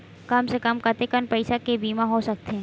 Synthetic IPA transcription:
kɐmsekɐmkɐt̪ekənpɐɪsakebiːmãɦosɐk̚t̪eɛ̃

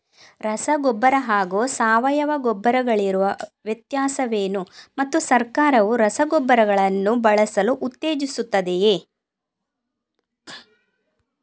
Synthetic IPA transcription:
ɾɐsɐɡɔbːɐɾɐɦaːɡoːsaːʋɐjɐʋɐɡɔbːɐɾɐɡɐɭiɾuʋɐʋjɐt̪jaːsɐʋeːnumɐt̪ːusɐɾkaːɾɐʋuɾɐsɐɡɔbːɐɾɐɡɐɭɐnːubɐɭɐsɐluʔːt̪ːeːd͡ʒisut̪ːɐd̪ejeː

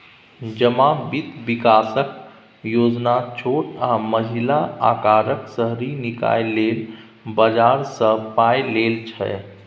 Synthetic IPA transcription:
d͡ʒəmabit̪ʋikaːsək | joːd͡ʒnat͡ʃʰoʈãməɦilaa̰ːkaɾəksəɦɾinika̰jlel | bəd͡ʒaɾsə̃pajlelt͡ʃʰɛ̰

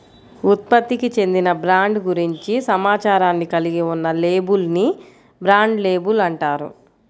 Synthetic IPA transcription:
ut̪̚pɐt̪ːikit͡ʃe̞nd̪inɐbɾaːɳɖɡuɾiɲt͡ʃisɐmaːt͡ʃaːɾaːnːikɐliɡiunːɐle̞ːbulni | bɾaːɳɖleːbulɐɳʈaːɾṵ

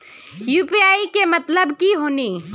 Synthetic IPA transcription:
juːpiaːikemɐt̪ləbkiɦoːniː

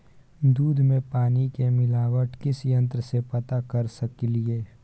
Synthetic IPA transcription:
d̪uːd̪ʱmẽpaːnikemɪlaːwəʈkɪsjə̃nt̪ɾəsepɐt̪akɐɾsɐkilieː

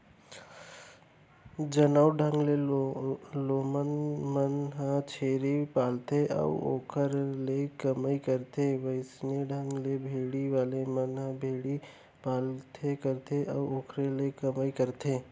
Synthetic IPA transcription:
d͡ʒənaʊɖʱə̃ŋɡle | loːmənmənɦãt͡ʃʰeːɾipaːlt̪eʔɐ̰ʋo̰ːkʰəɾlekəmaikəɾt̪eʋəɪsneɖʱə̃ŋɡlebʱeːɽiʋaːlemənɦãbʱeːɽi | paːlt̪ʰekəɾt̪ʰeʔɐ̰ʋoːkʰɾelekɐmaikəɾt̪ʰeː

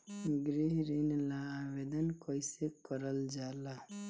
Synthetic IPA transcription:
ɡɾiɦɾinlaːbed̪ənkəɪsekəɾəld͡ʒala

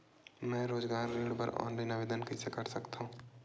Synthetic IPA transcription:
mɛ̃ːɾoːd͡ʒɡaːɾːeːɽbə̰ɾɔ̰ːnlaɪnɐʋeːd̪ənkɪsekɐɾsəkt̪ɦũː

